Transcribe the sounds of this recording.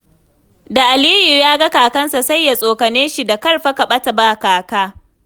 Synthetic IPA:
da˨ʔa˨liː˦ju˨jaː˦ɡa˦kaː˨kɐ˦nsa˨sa˦˨jːa˨sʼoː˨kɐ˨ne˦nʃi˨da˨kɐ˦˨rɸa˦kɐ˨ɓɐ˦ta˨baː˦kaː˨kaː˦

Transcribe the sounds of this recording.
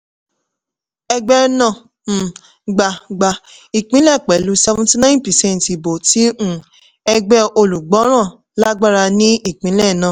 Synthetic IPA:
ɛ˧ɡ͡bɛ˦nã˦˨ | ɡ͡ba˨ɡ͡ba˨i˨k͡pĩ˨˦lɛ˦˨k͡pɛ˨lu˨˦sɛ˧vũ˦ti˧nã˦pɛ˨sɛ̃˦˨n˨ti˨bo˨ti˨˦ũ˦˨ | ɛ˧ɡ͡bɛ˦o˧lu˨ɡ͡bɔ˨˦ɾ̃ã˦˨ | la˦ɡ͡ba˦ɾa˧nĩ˦i˦˨k͡pĩ˨˦lɛ˦˨nãː˦˨

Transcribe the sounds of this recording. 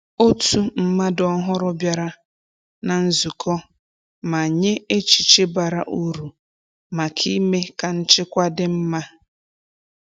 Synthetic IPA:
o˦tʰu˨m̩˦ma˦dɔ˨˦ɦʊ˦ɾʊ˦bja˨ɾa˦ | na˨n̩˦zu˨kʰɔ˦ | ma˨a˨ɲe˦e˦t͡ʃi̥˨t͡ʃe˦ba˨ɾa̰˨ʔu˦ɾu˨ | ma˨kʰi˦me˦ka˨n̩˦t͡ʃɪ˦kʷa˦dɪ˨m̩˦ma˦

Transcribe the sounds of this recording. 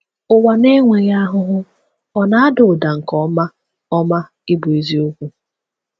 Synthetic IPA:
ʊ˦wa˨ne˦ŋʷe˨ɾja˦ɦʊ˦ɦʊ˦ | ɔ˨na˦a˦dʊ˨da˨ŋ̩˨kɔ˦ma˦ | ɔ˦ma˦ | ɪ˦bʊ˨i˦zi˦o˦kʷu˦

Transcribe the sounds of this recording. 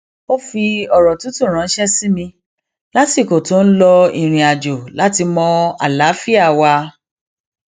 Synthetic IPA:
o˦fi˧ɔ˨ɾɔ˨tu˨˦tu˦˨ɾ̃ã˨˦n̩˦ʃɛ˦si˦mĩ˧ | la˦ti˦˨ko˨to˨˦n̩˦lɔ˧i˨ɾ̃ĩ˨a˨d͡ʒo˨la˦ti˧mɔ̃˧a̰˨la˨˦fi˦a˦˨wa˧

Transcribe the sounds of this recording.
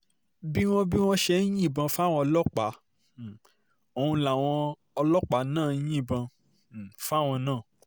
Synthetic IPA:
bi˦w̃ɔ̃˦bi˦w̃ɔ̃˦ʃɛ˧˦jĩ˦˨bã˧fa˦˨w̃ɔ̃˧ɔ˧lɔ˦k͡pa˨˦˨ | o˨hũ˧la˨w̃ɔ̃˧ | ɔ˧lɔ˦k͡pa˨˦nãː˦˨˦jĩ˦˨bã˧˨ | fa˦˨w̃ɔ̃˧nãː˦˨

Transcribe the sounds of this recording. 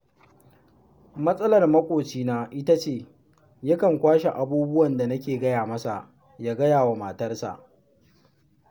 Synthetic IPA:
mɐ˦sʼɐ˦lɐ˨rmɐ˦kʷʼoː˨t͡ʃiː˦naː˦ʔɪ˦ta˦t͡ʃeː˦˨ | jɐ˦kɐ˨ŋkʷaː˦ʃe˨ʔa˨buː˦bʊ˦wɐ˨nda˨nɐ˦kʲeː˨ɡɐ˦jaː˨mɐ˦sa˨ʔ | jaː˦ɡɐ˦jaː˨wa˨maː˨tɐ˦rsa̰˨ʔ

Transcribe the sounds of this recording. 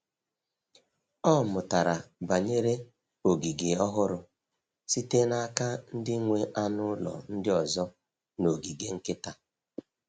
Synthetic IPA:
ɔ˦˨mʊ˨ta˨ɾa˨ba˨ɲe˦ɾe˦ | o˨ɡi˨ɡe˨ɔ˦ɦʊ˦ɾʊ˦ | si˦te˦na˦ka˦n̩˦dɪ˦ŋʷe˦ʔa˦nʊ˦lɔ̰˨n̩˦dɪ˦ɔ˨zɔ˦ | no˨ɡi˨ɡe˦ŋ̩˦kɪ˦ta˨

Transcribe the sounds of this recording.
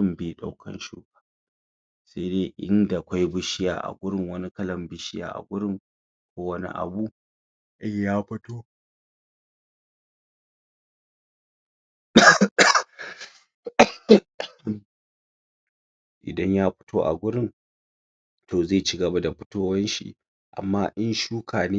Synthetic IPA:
ʊ˦mbi˦ɗa˨wkʰɐ̰˦nʃṵː˦kḁ˨ | se˦deː˦ʔɪ̰˦nda˨kʷa˦jbɪ˦ʃɪ˦ja̰ː˨ʔa̰˨ɡʷʊ˦ɾɪ˦ŋwɐ˦ni˦kɐ˦lɐ˨mbɪ˦ʃɪ˦ja̰ː˨ʔa̰˨ɡʷʊ˦ɽɪ˦ŋ | kʷoː˦wɐ˦nḭ˦ʔa̰˨bu˦ | ʔa˦jaː˦ɸɐ˦toː˦ | ʔɪ̰˨dɐ˦ɲjaː˦ɸɪ̥˦tʰoː˦ʔa̰˨ɡʷʊ˦ɾɪ˦n | tʰoː˨ze˦˨t͡ʃɪ˦ɡɐ˨ba˦da˨ɸɪ˦toː˦wɐ˦nʃḭ˨ʔ | ʔa̰˨mːaː˦ʔɪ˦nʃuː˦kʰaː˨neː˦

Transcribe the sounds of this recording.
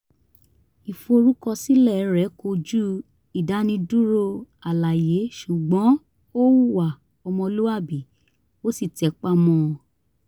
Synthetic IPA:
i˨fo˧ɾu˦kɔ˧si˦lɛ˦˨˦ɾɛ˨˦ko˧d͡ʒu˦ | i˨da˨˦nĩ˧du˦ɾo˧a˨la˨je˨˦ʃu˨ɡ͡bɔ̃˨˦ | o˦wu˦wa˨ | ɔ˧mɔ̃˧lu˦a˦˨bi˨ | o˦si˦˨tɛ˨˦k͡pa˦mɔ̃˧

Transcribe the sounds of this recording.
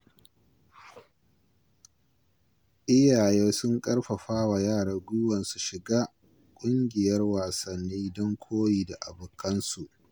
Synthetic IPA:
ʔɪ˦jaː˨jeː˦sʊ˦ŋkʼɐ˦rɸa˨ɸaː˦wa˨jaː˦˨ɽaː˨ɡʷʊ˦wɐ˨nsu˨ʃɪ˨ɡaː˦ | kʷʼʊ˦ŋɡʲɪ˨jɐ˦rwaː˨sɐ˨nːiː˦dɔ˦ŋkʷʰoː˦jiː˨da˨ʔa˨bʊ˨kʰːɐ˦nsu˨ʔ

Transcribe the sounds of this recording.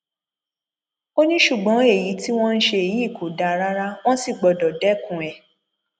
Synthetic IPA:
o˦nĩ˦ʃu˦˨ɡ͡bɔ̃˨˦e˦˨ji˨˦ti˦w̃ɔ̃˦n̩˦ʃe˧e˨ji˨˦˨kʰo˨˦da˨˦ɾa˦ɾa˦w̃ɔ̃˦si˦˨ɡ͡bɔ˨dɔ˨dɛ˨˦kũ˨ɛ˨

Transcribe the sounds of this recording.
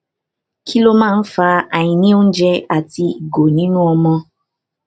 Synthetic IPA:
kʰi˦lo˧mãː˦˧n̩˦fa˧a˨j̃ĩ˧nĩ˦o˦n̩˦d͡ʒɛ˧a˨ti˧i˨ɡo˨nĩ˦nũ˦ɔ˧mɔ̃˧

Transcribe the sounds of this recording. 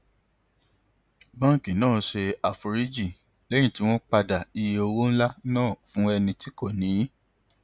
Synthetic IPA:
bã˦˨ki˨nãː˦˨˦ʃe˧a˨fu˧ɾi˦d͡ʒi˦˨ | lɛ˦j̃ĩ˦˨ti˨˦w̃ɔ̃˦k͡pa˧da˨i˧je˧o˧wo˦n̩˦la˦nãː˦˨fũ˦ɛ˧nĩ˧ti˦ko˦˨nĩ˨˦

